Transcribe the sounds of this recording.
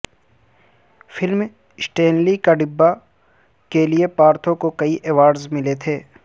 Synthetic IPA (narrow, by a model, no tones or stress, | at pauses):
fʰɪlm | sʈẽːnlikaɖɪbːa | keliepaːɾt̪ʰõkokɐiʔɛʋaːɖzmɪlet̪ʰeː